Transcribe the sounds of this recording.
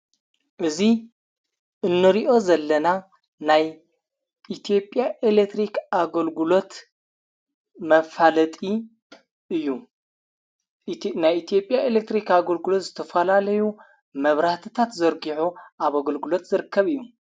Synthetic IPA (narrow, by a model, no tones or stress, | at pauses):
ʔɨzi | ʔɨnːɨɾiʔo̞zɐlːɐna | naj | it̪ʰijo̞pʼjaʔelek̚t̪ɾikaɡɐlɡulo̞t̪ | mɐfalɐt̪ʼi | ɨjːu | najit̪ʰijo̞pʼjaelek̚t̪ɾikaɡɐlɡulot̪zɨt̪ʰɐfɐlalɐju | mɐβɾaht̪ʰɨt̪ʰat̪zɐɾɡiʕuʔaβaɡɐlɡɨlo̞t̪zɨɾɨkʰːɐβɨjːu